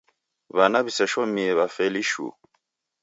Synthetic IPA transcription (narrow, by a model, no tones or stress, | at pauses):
βanaβisɛʃɔmiɛβafɛliʃṵ